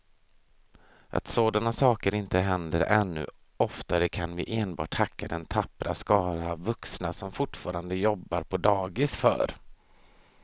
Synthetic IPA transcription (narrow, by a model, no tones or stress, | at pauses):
ʔa̰t̪soːd̪anasɑːkəɾɪnt̪əɦɛnd̪əɾɛnːɵ̰ | ɔft̪aɾəkʰanvɪ̰ʔeːnbɑ̰ːʈʰhakʰːad̪ɛnt̪ʰapːɾa̰skɑːɾavːɵksnasɔmfʊʈfɑːɾand̪əjɔbːaɾpʰɔd̪ɑːɡɪsfœ̰ːɾ